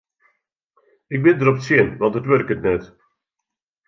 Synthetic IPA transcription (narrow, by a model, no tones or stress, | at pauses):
ɪɡ̚bɪndəɾɔpətsɪənʋɑntɦətʋɵrkətnɛt